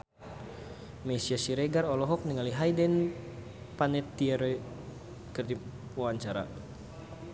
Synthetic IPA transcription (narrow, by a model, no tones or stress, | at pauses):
mɛsiasiɾɛɡaɾɔlɔɦɔk̚niŋaliɦajdɛn | panɛt̪ːiɛɾɛ | kɨrdiwawaɲt͡ʃaɾa̰